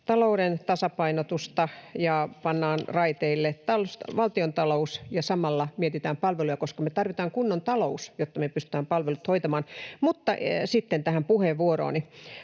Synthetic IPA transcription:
t̪ɑlouɾent̪ɑsɑpɑinot̪ust̪ɑjɑpɑnːɑːnrɑit̪eilːet̪ɑlsʋɑlt̪iont̪ɑlousjɑsɑmɑlːɑmiet̪it̪æːmpɑlʋelujɑkoskɑmet̪ɑrʋit̪ɑːŋkunːont̪ɑlousjot̪ːɑmepyst̪y̥̆t̪æːmpɑlʋelut̪hoit̪ɑmɑːnmut̪ːɑsit̪ːent̪æhæmpuheʋʋuoɾo̰ːni

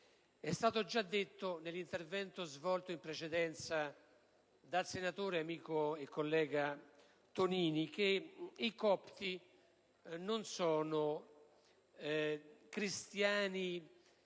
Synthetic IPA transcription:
ɛst̪aːt̪od͡ʒad̪ːet̪ːonelːint̪ervɛnt̪ozvɔlt̪oimpɾet͡ʃed̪ɛnt̪sa | d̪alsenat̪oːɾeamiːkoekːolːɛːɡa | t̪oniːnik̟eikɔpt̪i | nonsɔːnoʊ | kɾist̪jaːni

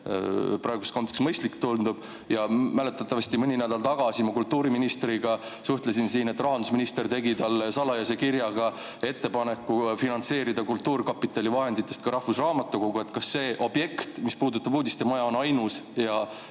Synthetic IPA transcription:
pɾɑeɡusko̞nt̪ːˑeksmɤjst̪likt̪ːulnd̪ub̥ | jɑmæle̞t̪ːˑɑt̪ːˑɑvɑst̪imɤnʲinæd̪̥ɑlt̪ɑɡ̥ɑsimɑkult̪ːuːɾiminist̪ɾiɡ̥ɑsuht̪lesinsiːne̞t̪ːˑrɑɦɑnd̪usminist̪e̞rt̪e̞ɡit̪ɑlːesɑlːɑjɑs̬ekiɾjɑɡ̥ɑ | e̞t̪ːe̞pɑne̞kːˑufinɑnse̞ːɾid̪ɑkult̪ːuːɾkɑpːˑit̪ːˑɑlʲivɑɦe̞nd̪it̪ːˑe̞st̪kɑɾɑhvusrɑːmɑt̪ːˑuko̞ɡ̥ue̞t̪ːkɑsːe̞ːʔo̞bje̞kt̪mispuːd̪ut̪ːˑɑbuːd̪ʲist̪emɑjɑonɑjnusjɑ

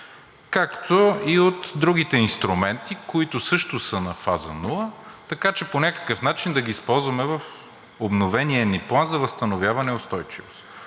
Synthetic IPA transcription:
kakt̪oiot̪d̪ɾuɡit̪ɛinst̪ɾumɛnt̪ikoit̪ʊsɤʃt̪ʊsənɐfazɐ̰nulˠət̪ɐkat͡ʃɛponʲakə̥kəfnat͡ʃind̪ɐɡiːspɔlˠzvɐmɛvɐf | obnovɛniɛniplˠanzɐvɐst̪ɐnovʲjavɐnɛʊst̪ɔjt͡ʃivo̰st̪

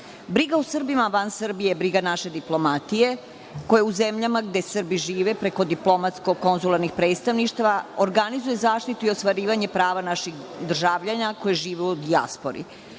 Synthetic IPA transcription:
bɾiɡausr̩bimaʋansrbijebɾiɡanaʃe̞d̪iplo̞mat̪ije̞ | ko̞jeuzemʎamaɡd̪e̞sr̩biʒiːʋepɾeko̞d̪iplo̞mat̪sko̞ko̞nzulaɾnixpɾet̪st̪aʋniʃt̪aʋaoɾɡanizujezaːʃt̪it̪uiost̪ʋaɾiːʋaɲe̞pɾaːʋanaʃixd̪r̩ʒaːʋʎaɲako̞jeʒiːʋeud̪ia̰spo̰ɾḭ

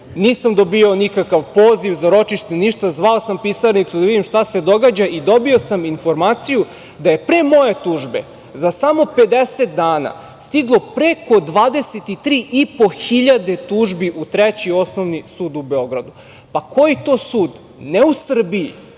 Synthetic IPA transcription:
niːsamd̪obiaonikakaʋpoːziʋzaɾo̞t͡ʃiʃt̪eniʃt̪azʋaosampisaɾnit̪sud̪aʋid̪imʃt̪ase̞d̪o̞ɡaːd͡ʑaʔid̪o̞bio̞saminfo̞ɾmaːt̪siju | d̪aje̞pɾeːmo̞je̞t̪uːʒbe̞̰ | zasamo̞pe̞d̪eset̪̚d̪aːna̰ | st̪iɡlˠo̞pɾeko̞d̪ʋaːd̪e̞set̪it̪ɾiːʔipo̞xiʎad̪e̞t̪uːʒbiʔut̪ɾet͡ɕio̞snoʋnisuːd̪ube̞o̞ɡɾad̪u | pako̞jit̪oːsuːd̪ | neusr̩biḭ

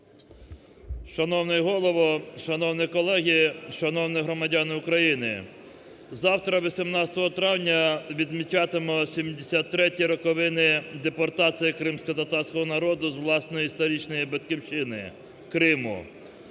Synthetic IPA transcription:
ʃɐnɔwnɛɦɔlˠɔʋɔʃɐnɔwnɪkɔlˠɛɦʲiʃɐnɔwnɪɦɾɔmɐdʲɑnɪʊkɾɐjinɪ̰ | zɑwt̪ɾɐʋʲisʲimnɑt͡sʲsʲɐ̥t̪ɔɦɔt̪ɾɑwnʲɐʋʲid̪mʲit͡ʃɑt̪ɪmɔsʲimd̪esʲat̪ːɾɛtʲiɾɔkɔʋɪnɪd̪epɔrt̪ɑt͡sʲijikɾɪmsʲkɔt̪ɐt̪ɑrsʲkɔɦɔnɐɾɔd̪ʊzʋlˠɑsnɔjist̪ɐɾʲit͡ʃnɔjibɐt̪kʲiwt͡ʃɪnɪ̰ | kɾɪmʊ̰

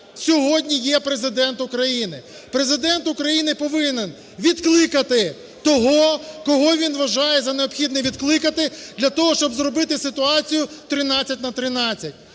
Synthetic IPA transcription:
sʲɔɦɔdʲnʲijɛpɾezɪd̪ɛnt̪ʊkɾɐjinɪ | pɾezɪd̪ɛnt̪ʊkɾɐjinɪpɔʋɪnen | ʋʲid̪klˠɪkɐt̪ɪ | t̪ɔɦɔkɔɦɔʋʲinʋɐʒɑjɛzɐneɔpxʲid̪nɛʋʲid̪klˠɪkɐt̪ɪd̪lʲɐt̪ɔɦɔʃt͡ʃɔbzɾɔbɪt̪ɪsɪt̪ʊɑt͡sʲijʊt̪ɾɪnɑt͡sʲːɐtʲnɐt̪ɾɪnɑt͡sʲːɐtʲ

